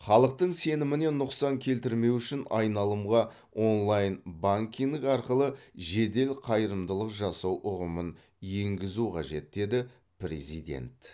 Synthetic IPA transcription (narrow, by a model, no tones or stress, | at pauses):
χɑlˠəq̚t̪əɴse̞nɪmɪne̞nːʊqsɑŋkʲʰe̞lt̪ɪɾme̞wʏʃɪnɑjnɑlˠəmʁɑ | ʔo̞nlˠɑjnbaŋkʲiŋd̪ɪkɑɾqəlˠəʒe̞d̪e̞lqʰɑjəɾəmd̪əlˠəqʒɑsɑwʔʊʁəmən | je̞ŋɡʲɪzuqʰɑʒe̞t̪̚d̪e̞d̪ɪ | pɾe̞̰zijd̪e̞̰nt̪